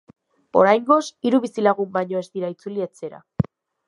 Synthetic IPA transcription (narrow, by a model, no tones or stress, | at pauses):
o̞ɾajŋɡo̞siɾuβisilaɣumbaɲo̞e̞zd̪iɾait͡suliet͡se̞ɾa̰